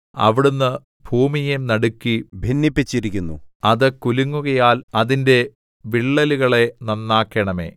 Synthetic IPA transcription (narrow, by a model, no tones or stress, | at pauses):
ɐ̰ʋiɽunːɨ | bʱuːmijemnɐɽukːibʱinːipːit͡ɕːiɾikʲːunːuɐðɨkuluŋːuɣɐjaːlɐðinde̞ | ʋiɭːɐluɣɐɭe̞nɐnːaːkːɐɳɐme̞̰ː